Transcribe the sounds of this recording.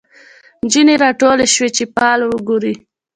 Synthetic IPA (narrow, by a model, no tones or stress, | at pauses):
nd͡ʒineɾɑʈoleʃwet͡ʃepɑːlwəɡuɾi